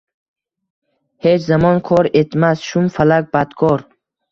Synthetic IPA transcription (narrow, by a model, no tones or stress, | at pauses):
he̞t͡ʃzamɒnkʰɒɾet̪masʃumfalak̚ʲbad̪kʰɔɾ